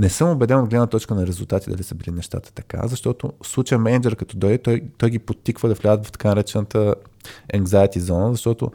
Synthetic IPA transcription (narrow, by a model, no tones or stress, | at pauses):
nɛsəmobɛd̪ɛnoɡlɛvnət̪ɔt͡ʃkənɐɾɛzuʊlˠt̪at̪id̪ɐ̰lisəbilinɛʃt̪a̰t̪ə̥t̪ɐka̰zɐʃt̪ɔt̪ʊ̰slˠut͡ʃəmɛnd͡ʒɛɾkɐt̪ɔd̪ɔjt̪ɔjt̪ɔjɡipot̪ːikvəd̪ɐflʲad̪ət̪vɐft̪ɐ̥kanɐəɾɛt͡ʃɛnət̪əɛŋɡzajt̪izɔnəzɐʃt̪ɔt̪ʊ̰